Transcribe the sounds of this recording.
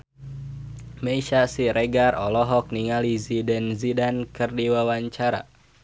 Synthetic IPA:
meʃasiɾʔeɡarɔlɔɦɔk̚niŋalizidɛnzidankɨrdiwawaɲt͡ʃaɾa̰

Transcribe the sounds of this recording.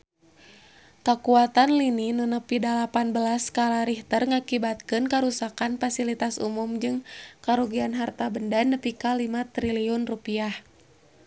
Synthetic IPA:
kakuat̪anlininunəpidalapanbəlaskalaɾiht̪ərŋakibat̪̚kɨnkaɾusakanfasilit̪asṵmumd͡ʒɨŋkaɾuɡianɦart̪abəndanəpikalimat̪ɾiliɔnrupiah

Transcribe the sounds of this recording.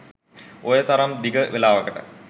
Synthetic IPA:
ojet̪ɐɾɐmd̪iɡəʋelaːʋɐkɐʈə̰

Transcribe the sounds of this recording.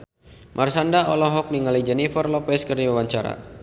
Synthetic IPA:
mʔarsandaɔlɔɦɔk̚niŋalid͡ʒɛnifərlɔpɛskərniwawaɲt͡ʃaɾa̰

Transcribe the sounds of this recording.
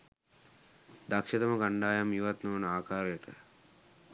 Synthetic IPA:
d̪ɐkʂɐt̪ɐmɐɡaɳɖaːjamjuʋɐt̪nuʋnaːkʰaːɾɐjəʈə̰

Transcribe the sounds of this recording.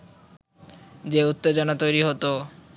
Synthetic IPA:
d͡ʑeut̪ːed͡ʑonat̪ojɾiɦot̪o

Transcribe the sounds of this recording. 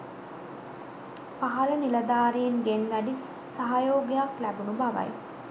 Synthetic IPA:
paɦɐlənilɐd̪aːɾejenɡenʋæɖisaɦajoːɡijaklæbunubaʋa̰j

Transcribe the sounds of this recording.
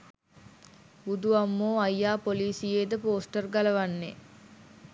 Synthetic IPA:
ud̪uʋamːoːɐjːaːpoliːsijeːd̪əpoːsʈərɡɐlɐʋanːe

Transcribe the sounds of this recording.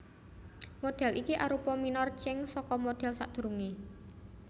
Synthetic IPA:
moɖ̥ɛ̤lʔikiʔa̰ɾupɔminɔrt͡ʃɪŋsɔkɔmoɖ̥ɛ̤lsa̰ʔd̪̥ṳɾuŋe

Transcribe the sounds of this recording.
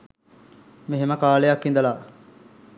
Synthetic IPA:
meɦeməkaːlejakːind̪ɐlaː

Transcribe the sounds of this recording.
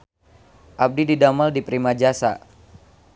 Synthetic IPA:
ʔap̚dididamaldipɾimad͡ʒasa̰

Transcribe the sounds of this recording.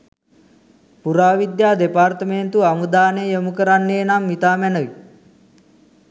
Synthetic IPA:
puɾaːʋid̪jaːd̪epart̪əment̪uamud̪aːnejəmukəɾanːeːnamːit̪aːmɛnəʋi

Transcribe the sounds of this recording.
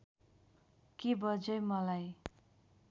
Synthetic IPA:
kebʌd͡zʌjmʌlaj

